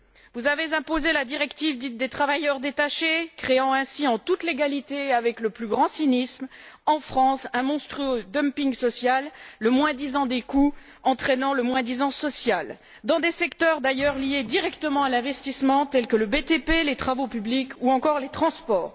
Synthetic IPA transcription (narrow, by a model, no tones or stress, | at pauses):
vuzavezɛ̃pozelad̪iʁɛkt̪ivd̪it̪̚d̪et̪χavajœʁd̪et̪aʃekχeɑ̃ɛ̃siɑ̃t̪ut̪leɡalit̪eavɛkləplyɡʁɑ̃sinismɑ̃fχɑ̃sɛ̃mɔ̃st̪χyod̪œmpiŋɡsɔsjalːəmwɛ̃d̪izɑ̃d̪eku | ɑ̃t̪χɛnɑ̃ləmwɛ̃d̪izɑ̃sɔsjal | d̪ɑ̃d̪esɛkt̪œʁd̪ajœʁlijed̪iʁɛkt̪əmɑ̃alɛ̃vɛst̪ismɑ̃t̪ɛlkələbet̪epelet̪χavopyblikuɑ̃kɔʁlet̪χɑ̃spɔːʁ